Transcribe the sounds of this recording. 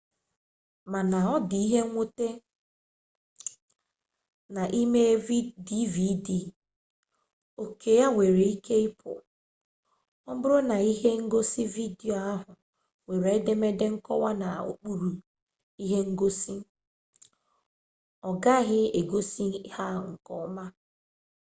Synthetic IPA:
ma˨na˨ɔ˦dɪ˨i˦ɦe˦ŋʷo˦te˦ | na˨ʔi˦me˦i˦di˦vi˦di˨ | o˨kʰe˨ja˦ŋʷe˨ɾe˨i˦kʰe˦ɪ˦pʰʊ̰˨ | ɔ˦bʊ˦ɾʊ˦na˨i˦ɦe˦ŋ̩˦ɡo˦si˦vi˦di˨o˨a˦ɦʊ˨ | we˨ɾe˨˦de˦me˦de˦ŋ̩˦kɔ˦wa˦na˨o̰˨k͡pu˦ɾu˨ | i˦ɦe˦ŋ̩˦ɡo˦si˦ | ɔ˨ɡa˦ɦɪ˦e˨ɡo˦si˦ha˦ŋ̩˨kɔ˦ma˦

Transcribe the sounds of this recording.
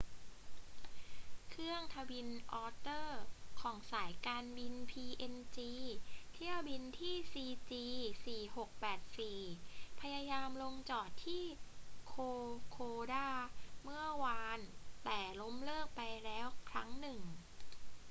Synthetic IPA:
kʰɾɯ˥˩əŋt̪ʰa˧wi˧nʔɔː˧t̪ɤː˥˩kʰɔː˩˦ŋsaː˩˦jkaː˧nbi˧npʰiː˧ʔe˧nt͡ɕiː˧t̪ʰi˥˩əwbi˧nt̪ʰiː˥˩siː˧t͡ɕiː˧siː˨˩ho˨˩k̚pɛː˨˩t̪̚siː˨˩pʰa˧jaː˧jaː˧mlo˧ŋt͡ɕɔː˨˩t̪ʰːiː˥˩kʰoː˧kʰoː˧daː˥˩mɯ˥˩ɐwaː˧nt̪ɛː˨˩lo˦˥mlɤː˥˩k̚pa˧jlɛː˦˥wkʰɾa̰˦˥ŋnɯ˨˩ŋ

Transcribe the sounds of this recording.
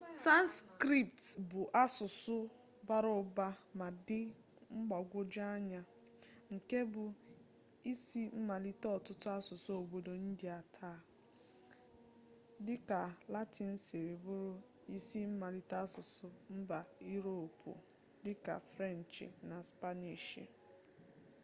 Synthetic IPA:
sa˦n˦skɾi˦˨p̚tbʊ˨ʔa˦sʊ˨sʊ˦ | ba˨ɾʊ˨ba˦ma˨dɪ˦ | ŋ͡m̩˦ɡ͡bɔ˨ɡʷo˦d͡ʒa˦ɲa˨ | ŋ̩˨ke˦bʊ˨ | i˦si˦m̩˦ma˨li˦tɔ˨tʊ˦tʊ˦a˦sʊ˨sʊ˦o˨bo˦do˨n̩˦di˨a˨tʰaː˦˨ | dɪ˦ka˨la˦ti˨n̩˦se˨ɾe˨bʊ˦ɾʊ˦ | i˦si˦m̩˦ma˨li˦ta˦sʊ˨sʊ˦m̩˦ba˨i˦ɾo˦˨pʰṵ˨ | dɪ˦ka̰˨fɾe˦˨n̩˨t͡ʃḭ˨na˨spa˦ni˨ʃḭ˨

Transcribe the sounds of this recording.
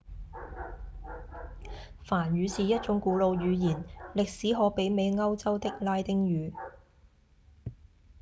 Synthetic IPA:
faː˨˩nɥyː˨˧siː˨jɐ˥t̚t͡ʃʊ˨˧˥ŋkuː˨˧˥lo˨˧wjyː˨˧jiː˨˩nlɪ˨k̚siː˨˥ɦɔː˨˧˥pe˨˥jme˨˧jŋɐ˥wt͡sɐ˥wt̪ɪ˥k̚laː˥jt̪ɪ˥ŋjyː˨˧

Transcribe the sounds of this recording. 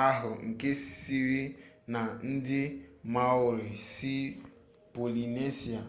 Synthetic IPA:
a˦ɦʊ˨ŋ̩˨ke˦si˦si˦ɾi˦ | na˨n̩˦dɪ˦ma˦ʊ˨ɾɪ˨si˦ | po˨li˨ne˦si˨a˨

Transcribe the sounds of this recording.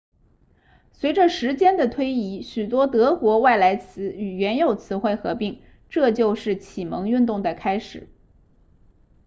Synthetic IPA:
swe˧˥ɪʈ͡ʂə˧ʂɻ̩˧˥t͡ɕjɛ˥nd̪ə˨t̪ʰwe˥ɪi˧˥ɕy˨˩t̪̬wɔ˥t̪ɤ˧˥kwɔ˧˥wa˥˩ɪla˧˥ɪt͡sʰɹ̩˧˥y˨˩ɥɛ˧˥njo˨˩ʊt͡sʰɹ̩˧˥xwe˥˩ɪxɤ̰˧˥pi˥˩ŋ | ʈ͡ʂɤ˥˧t͡ɕjo˥˧ʊʂɻ̩˥˩t͡ɕʰi˨˩mɤ˧˥ŋy˥˧nt̪ʊ˥˩ŋd̪ə˩kʰa˥ɪʂɻ̩˨˩˦

